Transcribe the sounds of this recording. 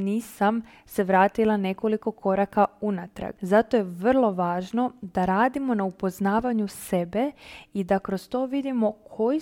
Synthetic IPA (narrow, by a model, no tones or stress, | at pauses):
niːsam | se̞ʋɾaːt̪ilˠane̞ko̞liko̞kʰo̞ɾakaunat̪ɾa̰ɡzat̪o̞je̞ʋr̩lˠo̞ʋaːʒno̞d̪aɾaːd̪imo̞naupo̞znaːʋaɲuse̞be̞id̪akɾo̞st̪o̞ʋid̪imo̞kʰo̞ji